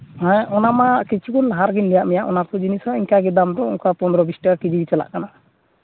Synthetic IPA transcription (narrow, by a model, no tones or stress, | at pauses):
ãʔɔnamakit͡ʃʰukunlaɦaɾɡinlijaʔmijaʔɔnaɾtud͡ʒinisɔiŋkaɡɛd̪amɾɔṵŋkapɔnd̪ɾɔbisʈakakid͡ʒiɡit͡ʃɛla̰ʔkana